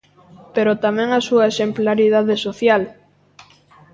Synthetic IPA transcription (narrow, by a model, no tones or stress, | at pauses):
peɾot̪amɛ̃ŋasuɐesemplaɾiðaðesoθjal